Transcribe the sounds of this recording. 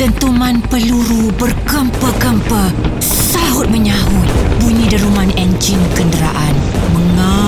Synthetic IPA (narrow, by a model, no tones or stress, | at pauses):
t̪ənt̪umanpəluɾubərkəmpəkəmpə | saɦʊt̪̚məɲaɦʊt̪̚buɲĩdiɾumanɛnt͡ʃɪnkəndəɾaʔanməŋa